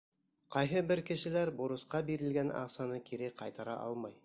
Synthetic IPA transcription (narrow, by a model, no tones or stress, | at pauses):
qɑjɦɤbɘɾkɘ̆ʃɘ̆læɾboɾɤ̆sqɑbiɾɘ̆lɡænɑ̰qsɑnɤkʰiɾɘqʰɑjt̪ɑɾɑ̰ʔɑ̰lˠmɑj